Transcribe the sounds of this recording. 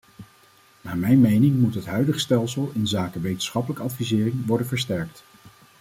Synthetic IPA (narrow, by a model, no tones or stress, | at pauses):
naːɹmɛjnmejnɪŋmutɦətɦœɥdəχstɛlˠsəlˠɪnzaːkəʋejtən̩sχɑpələkəɑtfizɪːrɪŋʋɔɹdənvəɹstɛɹk̚t